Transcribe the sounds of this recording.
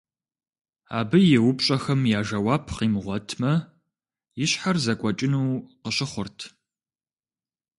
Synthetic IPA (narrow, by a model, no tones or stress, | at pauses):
a̰ːbɨjɪwʊpɕʼɐxɐmjaːʒɐwɑːpʰqiːmʁʷɔtʰmɐ | jɪɕħarzɐkʷʼɔt͡ʃʼɪnuːqəɕɪχʷʊrtʰ